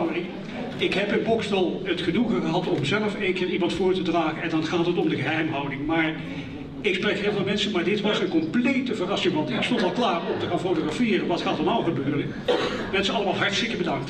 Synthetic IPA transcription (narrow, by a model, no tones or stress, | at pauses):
wdɪŋ | ɪkɦɛpɪnbɔkstɑlˠətχənuχəχəɦɑtɔmzɛləfeŋkɪːnimɑntfʊːɹtədraːχənɛndɑnχaːtɦətɔmdəɣəɦɛjmɦɑwdɪŋmaːɹ | ɪksprɛkɦeːlˠvɪnˠmɛnsənmaːɹdɪtʋɑsənkɔmplejtəvərɑsɪŋʋɑntɪkstɔntɑlˠklaːrɔmtəxaːnfowtoχrafɪːrəʋɑtχaːtɔlˠmaːlˠχəbøːrən | mɛnsəɑləmaːlˠɦɑɹtstɪkəbədɑŋkt